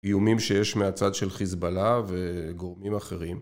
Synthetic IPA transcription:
ijumimʃejeʃmeat͡sad̪ʃe̞lχizbalaveɡo̞ʁmimaχe̞ʁim

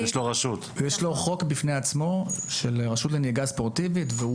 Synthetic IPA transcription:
jeʃloʁaʃut̪jeʃlo̞χo̞kbifneat͡smo̞ʃelʁaʃutleneɡaspo̞ʁt̪ivitveu

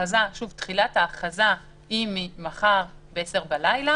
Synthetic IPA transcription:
azaʃuvtχilataːχaza | himimaχaʁbeeseʁbalajla

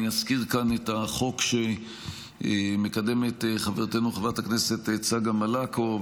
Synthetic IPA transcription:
iaskiʁkanetaχo̞kʃe | mekade̞metχaveʁt̪enuχavʁataknese̞tt͡saɡamalako

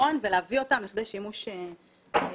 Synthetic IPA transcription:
o̞nveleavio̞tamliχd̪ejʃimuʃe

